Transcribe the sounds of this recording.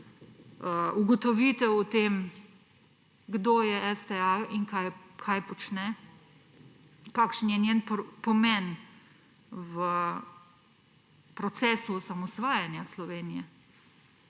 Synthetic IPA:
əuɡɔt̪ɔʋit̪ɛwut̪eːm | ɡd̪oːjɛɛst̪ɛaiŋkajkʰajpɔt͡ʃnɛ | kaːkʃnjɛnʲjenppɔmɛn | wə | pɾɔt̪sɛːsusamɔsʋaːjanjaslɔʋeːnijɛ

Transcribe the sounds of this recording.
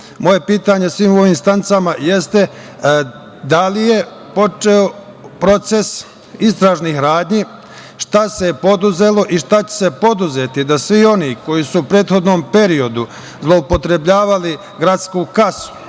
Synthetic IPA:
mo̞je̞piːt̪aɲe̞sʋiːmo̞ʋiːmst̪ant̪samaje̞st̪e̞ | d̪alije̞ | po̞t͡ʃeo̞ | pɾo̞t̪se̞s | ist̪ɾaʒnihɾaːd̪ɲiː | ʃt̪asepo̞d̪uze̞lo̞ʔiʃt̪at͡ɕe̥se̞po̞d̪uze̞t̪id̪asʋio̞niko̞jisuːpɾe̞ːt̪xo̞d̪no̞ːmpe̞ɾio̞d̪u | zlˠo̞upo̞t̪ɾe̞bʎaːʋali | ɡɾat̪skuːkasu̥

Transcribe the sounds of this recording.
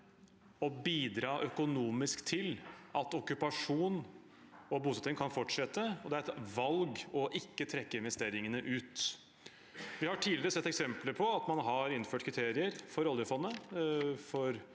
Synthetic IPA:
ɔbiːd̪ɾɑːʔœkʊnuːmɪskt̪ʰɪlɑt̪ɔkːʉpɑʂuːn | ɔbuːsɑt̪ɪŋkʰɑnfɔʈʂɛt̪ːəɔd̪ɛæɾɛt̪ʋɑlɡɔʔɪkːət̪ʰɾɛkːəɪnʋɛst̪eːɾɪŋənəʔʉːt̪ | ʋɪhɑʈʰiːləɾəsɛt̪ːɛksɛmpləpʰɔɑt̪mɑnɦɑɾɪnføːʈkʰɾɪt̪ʰeːɾɪəɾfɔɾɔljəfɔnːə | fɔɾ

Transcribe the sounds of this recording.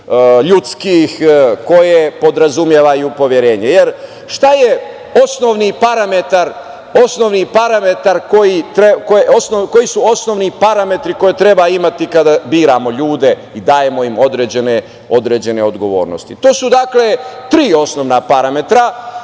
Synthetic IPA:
ʎut̪skixko̞jepo̞d̪ɾazumjeʋajuupo̞ʋjeɾe̞ːɲejeɾ | ʃt̪aje̞ | o̞sno̞ʋnipaɾame̞t̪aɾ | o̞snoʋnipaɾame̞t̪aɾko̞jit̪ɾekoosnoko̞jisuo̞sno̞ʋnipaɾame̞t̪ɾiko̞jet̪ɾebaimat̪ikad̪abiːɾamo̞ʎuːd̪e̞ | id̪aːje̞mo̞imo̞d̪ɾeːd͡ʑe̞ne | o̞d̪ɾed͡ʑe̞neo̞d̪ɡo̞ʋo̞̰ːɾnost̪it̪o̞ːsud̪akle̞t̪ɾiːo̞sno̞ʋnapaɾame̞t̪ɾa

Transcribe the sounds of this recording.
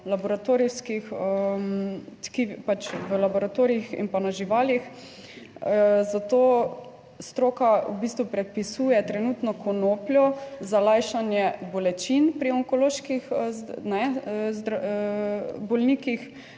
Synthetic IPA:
labɔɾat̪oɾiwskixə | t̪kipat͡ʃʋəlabɔɾat̪oːɾiixḭnpanaʒiʋaːlix | zat̪oː | st̪ɾoːkaubist̪ʋupɾɛt̪̚pisuːjɛt̪ɾɛnuːt̪nɔkʰɔnoːplʲjɔzalajʃanjɛbɔlɛt͡ʃinpɾiɔŋkɔloːʃkixnɛzd̪ɾ | bɔlniːkix

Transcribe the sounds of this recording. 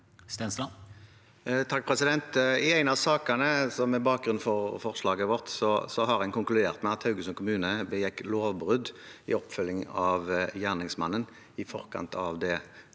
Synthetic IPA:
st̪ɛnslɑ | t̪ʰɑk̚ːpʰʁɛsɪd̪ɛnt̪ɪæɪnɑʋsɑːkənəsɔmɛbɑːk̚ɡʁʉnnfɔʁfɔʁʂlɑːɡəʋɔʁt̪sɔsɔɦɑʁɛnkʊŋklʉd̪eːʁt̪mɛɑt̪hɑʉɡəsɔnkʰʊmʉːnəbəjɛkːloːʋbʁʉd̪ɪ̰ɔpːfʏlːɪŋɑʋjæːʁnɪŋsmɑ̰nːən | ɪfɔ̰ʁkʰɑ̰nt̪ʰɑʋd̪ɛ

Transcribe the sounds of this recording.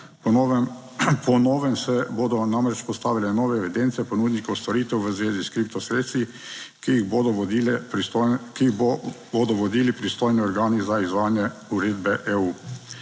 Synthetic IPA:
p | pʰɔnɔːʋɛmsɛboːd̪ɔnamɾɛt͡ʃpɔst̪aːʋilɛnɔːʋɛːʋɛd̪eːnt̪sɛpɔnud̪nikɔwst̪ɔɾiːt̪ɛwʋəzʋeːziskɾip̚t̪ɔsɾeːt̪st̪ʋi | ɣb̪ | ki | boːd̪ɔʋɔd̪iːlipɾist̪oːjniɔɾɡaːnizaizʋaːnjɛuɾeːd̪bɛʔeuː

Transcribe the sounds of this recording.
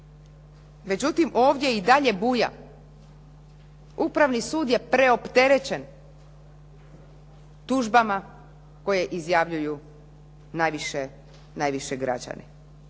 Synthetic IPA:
me̞d͡ʑut̪imʔo̞ːʋd̪ʲje̞id̪aʎe̞buja̰ | upɾaʋnisuːd̪je̞pɾe̞o̞pt̪e̞ɾe̞t͡ɕe̞n | t̪uʒbama | ko̞jeʔizjaʋʎuju | najʋiʃe | najʋiʃeɡɾa̰d͡ʑa̰nḛ

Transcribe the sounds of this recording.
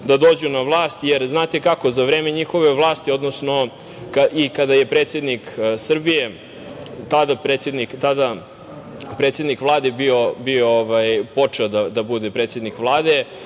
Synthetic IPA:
d̪ad̪oːd͡ʑunaʋlˠaːst̪jeɾznaːt̪ekako̞zaʋɾeːmeɲixo̞ʋe̞ʋlˠaːst̪io̞d̪nosno̞ | kaikad̪ajepɾet̪sʲje̞d̪niksr̩bije̞ | t̪ad̪apɾeːt̪sjed̪nikt̪ad̪a | pɾet̪sjed̪nikvlˠaːd̪ebio̞biooʋajpo̞t͡ʂeod̪ad̪abud̪epɾet̪sje̞d̪nikvlˠaːd̪e

